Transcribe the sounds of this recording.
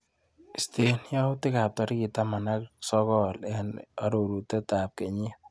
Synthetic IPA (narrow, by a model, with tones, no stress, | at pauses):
ste˦nja˦ʊ˦tɪ˦ka˨p̚tɔ˨ɾɪ˦kɪ˨ta˦ma˨na˦ksɔ˦kɔ˦lɛ˨na˦ɾo˨ɾu˨tɛ˦ta˨p̚kɛ˨ɲi˦